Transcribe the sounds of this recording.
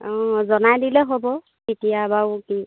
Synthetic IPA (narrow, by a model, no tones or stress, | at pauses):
ɔ̃zɔnajdilɛɦobɔ | kitijabawki